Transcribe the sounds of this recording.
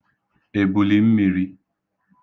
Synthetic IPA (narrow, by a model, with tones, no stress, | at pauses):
e˨bu˨li˦m̩˦mi˨ɾi˦